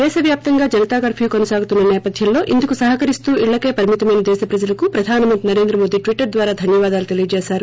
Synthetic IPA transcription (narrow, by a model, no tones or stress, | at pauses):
d̪̥ɛːʃɐʋjaːp̚t̪ɐŋɡaːd͡ʒɐnɐt̪aːɡɐːɾpʰuːkonɐsaːɡut̪unːɐnɛːpɐd̪ʱjɐlːo̞ːʔind̪ɐkusɐɦɐkɐɾist̪uːʔiɭːɐkeːpɐɾɐmit̪ɐmɐjnɐd̪ɛːʃɐpɾɐd͡ʒɐlɐkupɾɐd̪ʱaːnɐmɐnt̪ɾinɐɾe̞ːnd̪ɾɐmo̞ːd̪iːʈʋiʈːɐɾd̪ʋaːɾaːd̪ʱɐnjɐʋaːd̪aːlut̪elijɐd͡ʒeːsaːɾu